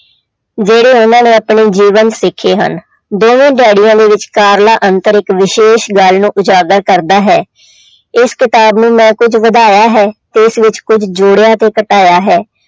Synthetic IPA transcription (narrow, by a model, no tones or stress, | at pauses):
d͡ʒeːɽeːʊnãːnẽːəpɳeːd͡ʒiːʋənsɪkʰːeːɦə̰n | d̪oːʋẽːɖaːɽijãːd̪eːʋɪt͡ʃkaːɾlaːʔənt̪əɾɪkʋɪʃeːʃɡalnũːʔʊd͡ʒaːɡəɾkəɾd̪aːɦɛː | ɪskɪt̪aːbnũːmɛ̃ːkʊd͡ʒʋəd̪aːjaːɦɛːt̪eːɪsʋɪt͡ʃkʊd͡ʒd͡ʒoːɽjaːt̪eːkəʈaːjaːɦɛː